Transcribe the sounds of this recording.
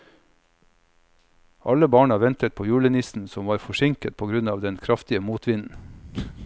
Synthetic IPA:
ʔɑləbɑːɳɑʋɛnt̪ət̪̚pʰoːjʉːɭənɪsn̩sɔmʋɑːɾfɔʃɪŋkət̪̚pʰoːɡɾʉnɑːʋd̪ɛnkʰɾɑft̪ɪəmuːt̪ʋɪnn̩

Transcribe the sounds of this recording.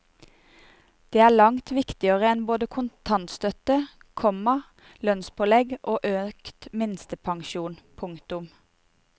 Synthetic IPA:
d̪̥eːæːɭɑŋt̪ʰʋɪkt̪ɪəʁəɛnboːd̪əkʰʊnt̪ʰɑnt̪st̪œt̪ə | kʰɔmɑ | lœnspʰɔlɛɡʔoːʔøːkt̪mɪnst̪əpʰɑŋʃuːnpʰʊŋkt̪ʊm

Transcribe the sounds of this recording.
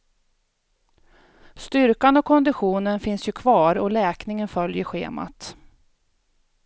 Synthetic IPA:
st̪ʏɾkanɔkʰɔnd̪ɪɧuːnənfɪnsjɵkʰvɑːɾɔlɛːknɪŋənfœljəɾɧḛːma̰t̪

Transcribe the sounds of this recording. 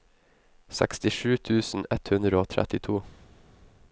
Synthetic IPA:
sɛ̰kst̪ɪʃʉːt̪ʰʉːsn̩ɛt̪hʉnd̪ɾəoːt̪ʰɾɛ̰t̪ɪt̪ʰuː

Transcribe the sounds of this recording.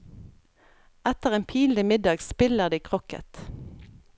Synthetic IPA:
æt̪əʁeːnpʰiːnd̪ɪmɪd̪ɑːɡspɪləʁd̪iːkʰʁɔkə̰t̪

